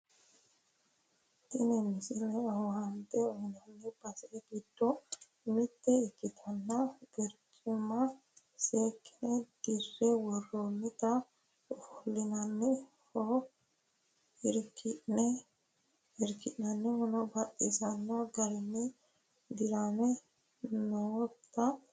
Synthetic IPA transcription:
t̪ɪnɪmɪsɪlɛhɔhɐnt̪ːɛɔhɪnɐnːɛb̥ɐsɛɡid̪ːɔ | mɪt̪ːɛɪkːɪt̪ʰɐnːɐɡɛɾt͡ʃʼ | ʊmɐ | seːkːɪ̥nɛd̪̥ɪrːɛwɔrːomːɪt̪ɐ | ʊfʊlːɪnɐnːɛ | hɔ | ɪɾkːɪnɛ | ɪɾkːɪʔnɐnːɛhɔnɔbɐt̪ʼːɪsɐnːɐɡɐɾɪnːɛ | d̪ɪɾamɛ | not̪ːɐ

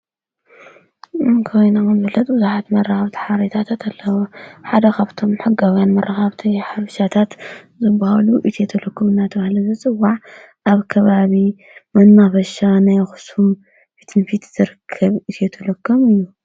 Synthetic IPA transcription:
ɨnkʰojnakɨmzɨfɨlːɐt̪ʼbɨzuħat̪mɐraxaβt̪ʰi̥ħaɾɐt̪ʰat̪ʰat̪ʰalːɐwoħad̪ɐkʰaβt̪ʰo̞mħɨɡawjanmɐrʔaxaβt̪ʰiħaβʃat̪ʰat̪ | zɨbːahaluʔit̪ʰjet̪ʰɐlɐkʰːɨmɨnːat̪ʰɐβahlɐzɨt͡sʼɨwːaʕ | ʔaβkʰɐβaβi | mɐnːafɐʃanajxɨ̥sum | fi̥t̪ʰɨnfit̪ʰz̥ɨɾɨkʰːɐβit̪ʰjet̪ʰɐlɐkʰːomɨjːu

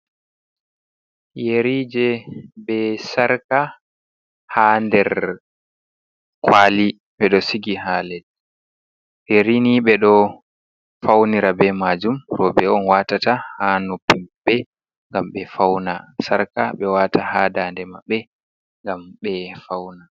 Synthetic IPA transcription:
jeɾiːd͡ʒɛbɛsaɾka | handɛɾ | kʰwaːli | ɓɛɗɔsiɡiɦaːlɛl | jeɾiniɓɛɗɔ | fawniɾabɛmad͡ʒumɾɔbɛɔnwatatahanopːimɓɛ | ŋɡamɓɛfawnasaɾkaɓɛwaːtahaːdaːndɛmaɓːɛ | ŋɡamɓɛfawna

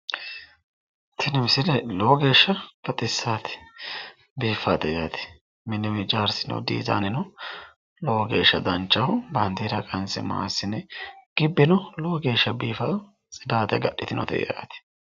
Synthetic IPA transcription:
t̪ʰɛnɛmɪsɪlɛloːɡe̞ːʃːɐfɐt̪ʼɪsːaːt̪ɛ̥ | biːfaːt̪ɛjaːt̪ɛ̥ | mɪnɛmɪd͡ʒaːɾsɪnɔ̰d̪ḭːza̰ːnɛnɔ | loːɡḛːʃːɐd̪ɐnt͡ʃːɐhʊbɐnd̪iːɾɐkʼɐnsɛ̰ma̰ːsɪnɛɡ̥ɪbːɪnɔloːɡe̞ːʃːɐbiːfɐ | t͡sʼɪd̪aːt̪ɛɡɐɗːɪt̪ɪnɔ̰t̪ɛ̰ja̰ːt̪ɛ̥

